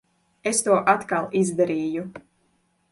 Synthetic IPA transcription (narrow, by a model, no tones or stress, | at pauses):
est̪uɔʔat̪kalˠizd̪aɾiːju